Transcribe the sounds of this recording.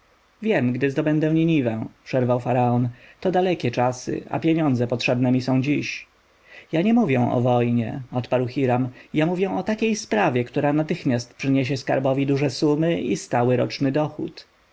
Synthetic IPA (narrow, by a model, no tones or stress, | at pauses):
vʲjɛmɡd̪ɘzd̪ɔbɛnd̪ɛw̃ɲiɲivɛpʂɛɾvawfaɾaɔnt̪ɔd̪alɛkʲɛt͡ʂasɘ̰a̰pʲjeɲɔnd̪zɛpɔtʂɛbnɛmʲisɔ̃w̃d͡ʑiɕ | jaɲɛmuvʲjɛ̃ʔɔ̰vɔjɲɛ̰ɔt̪paɾwxʲiɾamjamuvʲjɛ̃ɔt̪akʲejspɾavʲjɛkt̪uɾanat̪ɘxmʲjast̪̚pʂɘɲeɕ̬ɛska̰ɾbɔvʲid̪uʐɛsumɘḭst̪awɘɾɔ̰t͡ʂnɘd̪ɔxṵt̪